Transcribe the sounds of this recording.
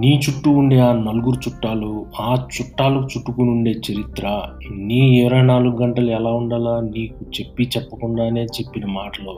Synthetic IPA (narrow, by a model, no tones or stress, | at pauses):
niːt͡ʃuʈːuːɳɖeːaːnɐluɡuɾut͡ʃuʈːaːluaːt͡ʃuʈːaːlɐkut͡ʃuʈːukunuɳɖe̞ːt͡ʃeɾit̪ɾɐ | niːiʋɾɐjnaːluɡuɡɐɳʈɐluɛlaːuɳɖaːlaːniːkut͡ʃe̞pːit͡ʃɛpːɐkuɳɖaːne̞ːt͡ʃe̞pːinɐmaːʈɐloː